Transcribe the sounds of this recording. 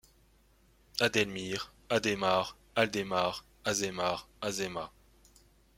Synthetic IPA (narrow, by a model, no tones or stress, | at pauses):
ad̪ɛlmiːʁ | ad̪emaːʁ | ald̪emaʁ | azemaːʁazɛma